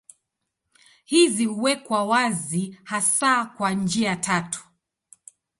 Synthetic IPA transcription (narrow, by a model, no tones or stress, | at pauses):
hizihuwɛkwawazihasakwand͡ʒiatʰatu̥